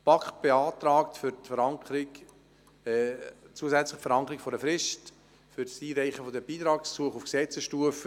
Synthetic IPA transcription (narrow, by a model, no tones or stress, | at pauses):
pɑkχt̚b̥eɑːt̪ɾɑːktfʏɾtfəɾɑŋkəɾɪkː | t͡suəzæt͡slɪχtfəɾɑŋkəɾɪkfɔɾdəfɾɪʃt | fʏɾsiːɾæɪχəfod̪əb̥iːt̪ɾɑːkssuəχufksɛt͡səsʃtuəfə